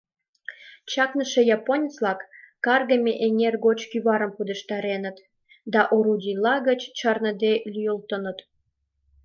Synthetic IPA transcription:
t͡ɕɑknəʃejɑponʲət͡slɑkːɑrɣəmʲeʔenʲerɡot͡ɕkyβɑɾəmpud̪ə̆ʃt̪ɑɾenət̪ | d̪ɑʔoɾudʲilɑɣət͡ɕt͡ɕɑrnə̆d̪elʲyjəlt̪ənət̪

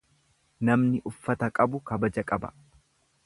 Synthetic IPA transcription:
nɐmnɪʔʊfːɐt̪ɐkʼɐbʊkɐbɐd͡ʒɐkʼɐbɐ̥̰

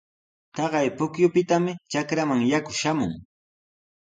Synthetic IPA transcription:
t̪ɑɢɑjpʊkjʊpɪt̪amɪt͡ʃakɾamaŋjakʊʃamʊ̰ŋ

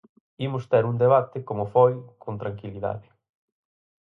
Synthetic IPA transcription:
imʊst̪ɛɾund̪eβ̞at̪ɪkomʊfojkʰont̪ɾaŋkiliða̰ðɪ

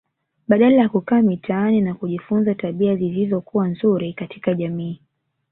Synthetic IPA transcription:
ɓaɗalajakukaːmitʰaaninakuʄifunzataɓiazilizɔkuwanzuɾikatʰi̥kaʄamiː

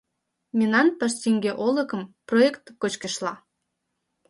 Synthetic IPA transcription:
mʲenɑnpəʃsʲiŋɡeʔolə̆kə̆mproekt̪kot͡ɕkə̆ʃlɑ

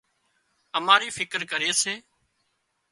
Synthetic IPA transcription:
əmaːɾiːfʰɪkɾkəɾeːseː

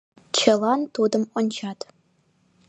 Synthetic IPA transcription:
t͡ɕʰəlˠɑnt̪ud̪əmont͡ɕʰɑt̪

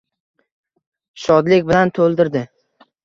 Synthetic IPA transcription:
ʃɒd̪lɪkʲbɪlant̪ʰolˠd̪ɪɾd̪ɪ

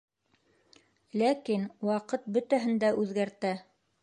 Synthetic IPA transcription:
lækinwɑqɤt̪̚bɵt̪æɦɘ̆nd̪æʔʉðɡæɾt̪æ

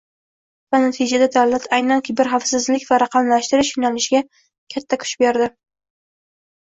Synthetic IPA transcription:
vanat̪ʰɪd͡ʒad̪ad̪awlat̪ʰajnankʲʰɪbɪɾχafsɪzlɪkʲvaɾɑqʰɑmlaʃt̪ɪɾɪʃjonalɪʃɪɡʲa | kʲʰat̪ʰːakʰʊ̥t͡ʃɪbeɾd̪ɪ

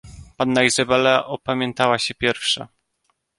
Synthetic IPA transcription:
panːaizabɛlaʔɔpamʲjɛnt̪awaɕɛpʲjɛɾfʂa̰

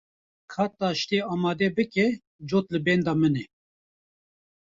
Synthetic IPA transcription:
kʰɑːt̪ɑːʃt̪eːɑːmɑːd̪ɛbɨkɛ | d͡ʒoːt̪lɨbɛnd̪ɑːmɨnɛ

